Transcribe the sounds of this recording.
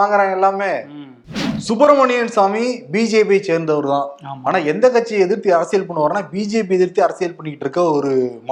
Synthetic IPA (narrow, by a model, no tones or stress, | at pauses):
aːŋɡɐɾãːɛlːaːmeː | sʊpɐɾmɐɳɪjɐnsaːmibiːd͡ʒeːp̬et͡ʃeːɾnd̪ɐʋɐɾɯt̪ãːaːnaːɛnd̪ɐkːɐʈt͡ʃːiɛðɪɾt̪ːiɐɾɐsɪjɛlpɐɳːɯʋaːɾɐnːaːbiːd͡ʒeːp̬iɛðɪɾt̪ːiɐɾɐsɪjɛlpɐɳːɪkːɪʈːɾɯkːɐɔɾɯm